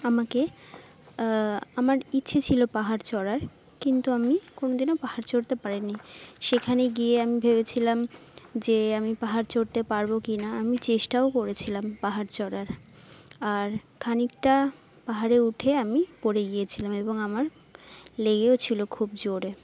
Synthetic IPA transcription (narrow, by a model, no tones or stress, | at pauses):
amake | amaɾitːɕʰet͡ɕʰilopaɦaɾt͡ɕɔɾaɾ | kint̪uamikonod̪ineopahaɾt͡ɕoɾt̪epaɾiniʃekʰaneɡieamibʱeβet͡ɕʰilamd͡ʑeamipaɦaɾt͡ɕoɾt̪epaɾbokinaamit͡ɕeʃʈaokoɾet͡ɕʰilampaɦaɾt͡ɕɔɽaɾ | aɾkʰanikʈa | paɦaɾeuʈʰeamipoɾeɡijet͡ɕʰilameboŋamaɾ | leɡeot͡ɕʰilokʰubd͡ʑoɾe